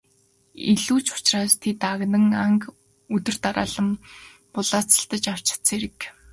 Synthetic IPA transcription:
iɮuːt͡ɕʊ̥t͡ɕraːst̪ʰet̪aɣnə̆ŋaŋk | ɵt̪ɵ̆r̥t̪aɾa̰ːɮə̆m | pʊɮaːt͡sə̆ɬt̪ə̆t͡ɕaw̥t͡ɕɪ̥̆t͡sʰeɾɘ̆k

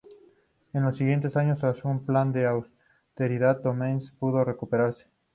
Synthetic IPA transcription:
ẽnlosːiɣje̞nt̪̬esaɲosazumpland̪eaws | t̪eɾiðat̪̚d̪omẽnspuð̞orekupeɾaɾse̥

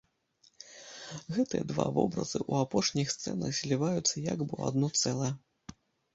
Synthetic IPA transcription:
ɣɛt̪ɨjɐ̰d̪va̰vɔbɾɐ̰zɨʔuapɔʂnʲixst̪sɛ̰nɐɣzʲlʲivajut̪sːɐja̰ɡbɨa̰d̪nɔt̪sɛlˠɐjɛ

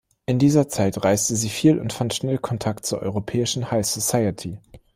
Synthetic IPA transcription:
ʔɪndiːzɐt͡saɪtʁaɪstəziːfiːlʊ̰ntfantʃnɛlkʰɔntʰak̚tt͡suːɐʔɔ̰ʏʁopʰɛːɪʃn̩haɪsosaɪətʰi

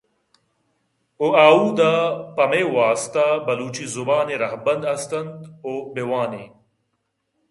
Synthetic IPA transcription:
oaːuːd̪apɐmewaːst̪abɐluːt͡ɕizubaːneɾɐhbɐnd̪ɐst̪ɐnd̪oːbewaːne

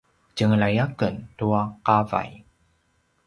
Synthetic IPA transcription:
cəŋlajakəntuaqava̰j

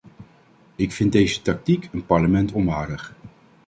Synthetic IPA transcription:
ɪkfɪndejzətɑk̚tikʰənpɑɹləmɛntɔmʋaːɹdəχ

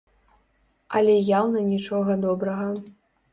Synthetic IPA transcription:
ɐlʲɛjawnɐnʲit͡ʂɔɣɐd̪ɔbɾɐɣɐ

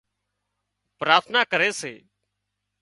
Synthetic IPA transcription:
pɾaːt̪ʰnaːkəɾeːseː

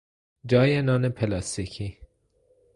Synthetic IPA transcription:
d͡ʒɒːjenɒːnepʰelɑst̪icʰi

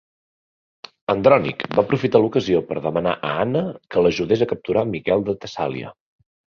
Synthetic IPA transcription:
ənd̪ɾɔnḭkbapɾufit̪alukəziopəɾðəməna̰ʔəanəkələʒuðezəkəp̚t̪uɾamikɛlˠd̪ət̪əsa̰lḭə̰

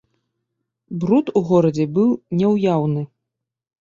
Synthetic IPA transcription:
bɾut̪uɣɔɾɐd͡zʲɛbɨwnʲɛwjawnɨ

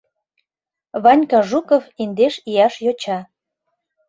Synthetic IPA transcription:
βɑnʲkɑʒukofend̪eʃijɑʃjot͡ɕɑ

